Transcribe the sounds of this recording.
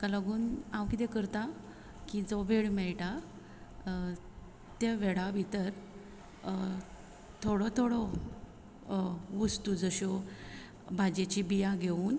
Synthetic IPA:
kalaɡuːnawkit̪ɛkəɾt̪a | kid͡zɔʋeɭmɛɭʈa | t̪eʋeɭabʱit̪əɾ | t̪ʰoɽɔt̪ʰoɽɔ | ʋəst̪ud͡zəɕɔ | bʱad͡ʑet͡ɕibijaɡʱeuːn

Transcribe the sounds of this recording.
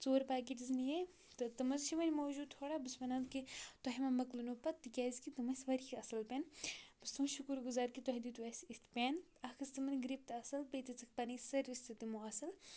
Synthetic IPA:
t͡soːɾpaːkiʈiznije | t̪ɨt̪ɨmɐzʃʰiʋɐnʲmoːd͡ʒuːd̪̚t̪ʰoːɽaːbɨsmɐnɐzkit̪ɔɦimɐmɐklunupɐt̪ːɨkʲaːzʲkit̪ɨmɐsʲʋɐɾixʲiɐsɐlpʲeːnbɨst̪ʰumʃukuɾɡuzaːɾkit̪ɔɦid̪it̪uɐsʲist̪pʲen | ɐxʰɨst̪ɨmɐnɡɾip̚t̪ɐsɐlpɐjt̪it͡sɨk̚pɐnisɐɾʋisʲt̪ɨt̪imuɐsɐl

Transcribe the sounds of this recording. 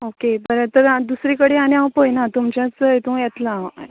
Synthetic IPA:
okebəɾet̪əɾd̪usɾikəɽeañjawpojnat̪umt͡ɕjãt͡səjt̪ũjet̪la

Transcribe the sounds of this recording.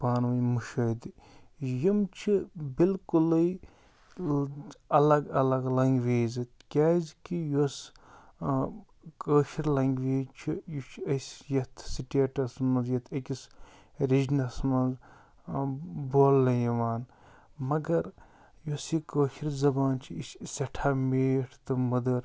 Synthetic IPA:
paːnʋɐnmuʃɐːd̪ijimt͡ʃʰibilkulɨj | ɐlɐɡɐlɐɡlɐŋɡʋeːzɨt̪kʲaːzkijos | kəːʃiɾlɐŋɡʋiːzt͡ʃʰijut͡ʃʰɐsʲjɐt̪ʰsiʈieʈɐsmɐnzjɐt̪ʰɐkʲis | ɾid͡ʒnɐsmɐnz | boːlːɐjɐʋaːn | mɐɡɐɾ | josikəːʃiɾzɐbaːnt͡ʃʰiissɐʈʰaːmeːʈʰt̪ɨmɐd̪ɐɾ

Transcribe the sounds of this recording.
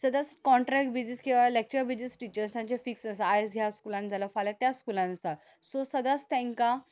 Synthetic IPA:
səd̪at͡skɔ̃ɳʈɾɛk̚bid͡ziskiʋalek̚t͡ɕɾabid͡ʑəsʈit͡ɕəɾst̪ãɲt͡ɕefiksnəsaaed͡zɦjaskulãnd͡zʱalafalat̪jaskulãnsa | sɔsəd̪at͡st̪ɛ̃ŋka

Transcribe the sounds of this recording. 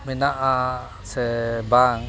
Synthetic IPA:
minaʔa | sebaŋ

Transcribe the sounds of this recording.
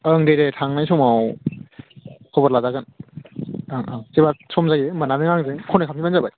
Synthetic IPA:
ɯŋdejɾetʰaŋnajsɔmaw | kʰɔbɔɾlazaɡɯn | aŋʔaŋzebasɔmzajeɯmananɯŋaŋzɯŋkʰɔnɯkʰamkʰibanzabaj

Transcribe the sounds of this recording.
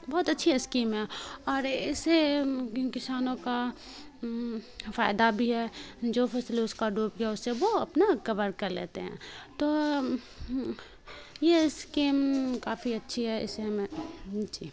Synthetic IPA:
bɔːt̪ɐtːʃʰiɦɛskiːmɦɛːɔːɾɪsekɪsaːnõka | faːɪd̪abʱiɦɛːd͡ʒoːfʰɛslʊskaɖuːp̚ɡaʊsːeʋoɐpnakɐʋəɾkɐɾlḛːt̪ḛɦɛ̰̃ːt̪oː | jeskiːmkaːfiɐtːʃʰiɦɛɪ̰seɦmẽd͡ʒiː

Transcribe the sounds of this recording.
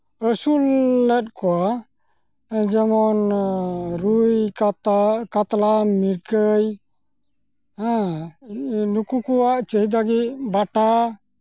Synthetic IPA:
əsulːɛt̪̚kɔwa | d͡ʒɛmɔn | ɾuj | kat̪lamiɽkəj | ã | nukukɔwaʔt͡ʃəɦid̪aɡitbaʈa

